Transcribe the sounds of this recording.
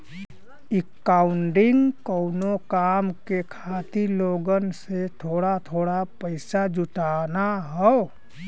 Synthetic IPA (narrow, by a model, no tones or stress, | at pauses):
ɪkːaːʊɳɖɪŋɡkoʊnokaːmkekʰaːt̪iloːɡənset̪ʰoːɽat̪ʰoːɽapəɪsad͡ʒʊʈaːnaɦɛo